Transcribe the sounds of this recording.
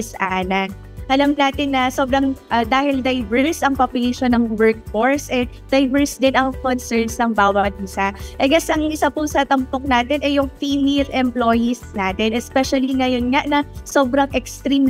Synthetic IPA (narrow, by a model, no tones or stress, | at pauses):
sʔaːnɐ | ʔɐlɐmnaːt̪ɪnːɐso̞ːbɾɐŋʔɐd̪aːhɪld̪ɐjvɛɹsʔɐŋpɐpɪɡiʃonɐŋwɛɹk̚foɹsʔɛ | d̪̥ɐjvɛɹsd̪ɛnʔɐŋkonsɛɹnsnɐŋbaːwɐt̪̚ɪsaʔɛɡɐsɐŋʔɪsapʊsɐt̪ɐmpok̚naːt̪ɪnʔɛjʊŋfimiɾʔɛmplo̞ːjisnaːt̪ɪnʔɛspɛʃɐliŋɐjonŋaʔnɐso̞ːbɾɐŋʔɛkst̪ɾim